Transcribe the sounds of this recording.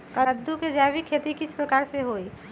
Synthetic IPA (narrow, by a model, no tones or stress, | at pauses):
kɐd̪ʱːuked͡ʒaːʋikʰeːt̪ikɪspɾəkaːɾseɦoːi